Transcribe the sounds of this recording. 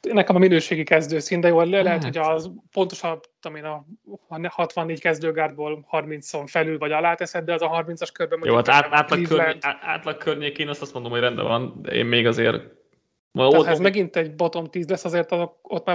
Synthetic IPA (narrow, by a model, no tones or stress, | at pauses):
nːɛkɛmɒminøːʃeːɡikɛzd̪øːsind̪ɛjoːlɛlɛɦɛt̪ho̞cɒzpo̞nt̪o̞ʃɒu̥t̪ːomeːnɒnhɒt̪ʋɒnːeːɟckɛzd̪øːɡaːrd̪̚boːlhɒrmint̪soɱfɛlylvɒɟɒlaːt̪ɛsɛd̪̚d̪ɛɒzɒɦɒrmint̪sɒʃkørbɛmojo̰at̪aːaːt̪lɒiølɛt̪a̰ːt̪lɒkʰːørɲeːkeːnɒst̪ɒst̪mo̞nd̪omhorɛnd̪ɛ̰ɒnd̪ɛ̰ḛːmmeːɡɒzḛːɾ | ahɒɛzmɛɡint̪ɛɟbo̞t̪o̞mt̪iːzlɛsːɒzeːrt̪ɒzo̞k̚ot̪ːmaː